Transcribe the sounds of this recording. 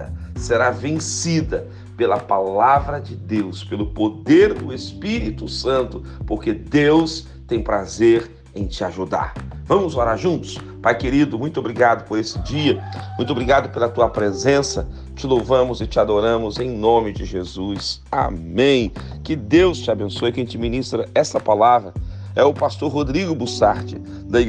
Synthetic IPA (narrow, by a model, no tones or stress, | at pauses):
ɐ̰seɾavẽsid̪ɐ | pelɐpalavɾɐd͡ʒɪd̪ewspelʊpod̪eɾd̪ʊespiɾit̪ʊsɐ̃nt̪ʊ | poɾked̪ews | t̪ẽj̃pɾazeɾ | ẽj̃t͡ʃɪaʒud̪a̰ɾvɐ̃mʊzoɾaɾʒũnt̪ʊ̥s | pajkeɾid̪ʊmũj̃t̪obɾiɡad̪ʊpoɾesɪd͡ʒiɐmũj̃t̪ʊobɾiɡad̪ʊpelɐt̪uɐpɾezẽsɐ | t͡ʃɪlowvɐ̃mʊzɪt͡ʃɪad̪oɾɐ̃mʊzẽj̃nõmɪd͡ʒɪʒezusa̰mẽj̃ | kɪd̪ewst͡ʃɪabẽsojɐkẽt͡ʃɪminist̪ɾɐɛsɐpalavɾɐ | ɛʊpast̪oɾɦod̪ɾiɡʊbusaɾt͡ʃɪ̰ | d̪ɐ